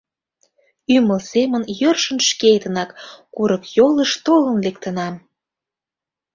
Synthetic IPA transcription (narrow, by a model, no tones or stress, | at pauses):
yməlsemənjørʃə̆nʃkejt̪ənɑkkuɾəkjoləʃt̪olənlek̚t̪ənɑm